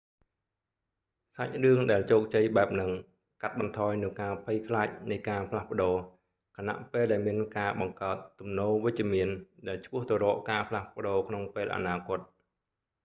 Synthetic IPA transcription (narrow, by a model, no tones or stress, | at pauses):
sac̚rɨəŋɗaɛlt͡ɕoːk̚t͡ɕəjɓaɛp̚nɨŋ | kat̪̚ɓɑnt̪ʰɑːjnɨŋkaːpʰəjkʰlaːc̚nɨjkaːpʰlahpə̆ɗoː | kʰana̰ʔpeːlɗaɛlmiənkaːɓɑŋkaət̪ːumnoːʋɨc̚t͡ɕĭəmiənɗaɛlt͡ɕʰpʊ̆əht̪ɔɾɔːʔkaːpʰlahpə̆ɗoːkʰnoŋpeːlʔa̰naːkʊ̆ət̪̚